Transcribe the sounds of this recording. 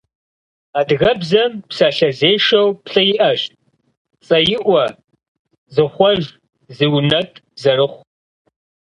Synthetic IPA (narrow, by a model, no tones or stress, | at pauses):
aːdɣɐbzɐmpsaɬɐzeːʃɐwpɬɐjɪʔɐʃt | t͡sʼɐjɪʔʷɔ | zɨχʷɔʒ | zɨwnɐtʼ | zɐrɨχʷ